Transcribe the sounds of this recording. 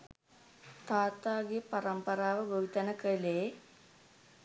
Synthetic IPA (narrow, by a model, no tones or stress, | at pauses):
t̪aːt̪aːɡepaɾɐmpɐɾaːʋəboʋit̪ɐnəkəleː